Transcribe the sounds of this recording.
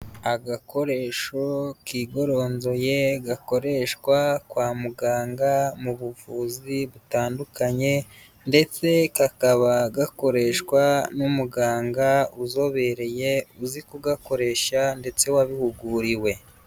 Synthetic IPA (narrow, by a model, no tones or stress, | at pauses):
aɡako̞ɾe̞ʃokiːɡo̞ɾo̞nzo̞je̞ɡako̞ɾe̞ʃkwakwaːmuɡaːŋɡamuβuvuːziβutaːndukaɲe̞ | nde̞t͡se̞kakaβaɡako̞ɾe̞ːʃkwanumuɡaːŋɡauzo̞βe̞ɾe̞je̞uzikuɡako̞ɾe̞ʃande̞t͡se̞waβihuɡuːɾiwe̞